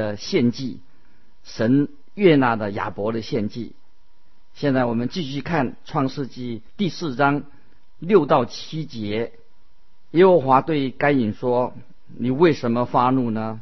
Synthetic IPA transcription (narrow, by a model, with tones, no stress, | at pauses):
ə˧ɕjɛ˥˧nt͡ɕi˥˩ | ʂə˧˥n | ɥɛ˥˧na˥˩d̪ə˦ja̰˨˩pwɔ˧˥ɾə˧ɕjɛ˥˧nt͡ɕḭ˥˩ | ɕjɛ˥˧nt͡sa˥˩ɪwɔ˨˩mə˦nt͡ɕi˥˧ɕy˥˧kʰa˥˩nʈ͡ʂʰwɑ˥˧ŋʂɻ̩˥˧t͡ɕi˥˧t̪i˥˧sɹ̩˥˩ʈ͡ʂɑ˥ŋ | ljo˥˧ʊt̪ɑ˥˩ʊt͡ɕʰi˥t͡ɕjɛ˧˥ | jɛ˥xə˧˥xwa˧˥t̪we˥˩ɪka˥ɪi˨˩nʂwɔ˥ | ni˨˩we˥˩ɪʂə˧˥nmə˧fa˥nu˥˩nə˩